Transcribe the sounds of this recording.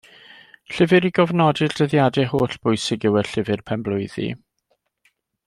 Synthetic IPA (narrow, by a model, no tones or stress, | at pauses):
ɬɪvɨɾiɡɔvnɔdɨld̥əðjadɛɦoːɬb̥ʊjsɪɡɪwəɬɪvɨrpʰɛmblˠʊɨðḭ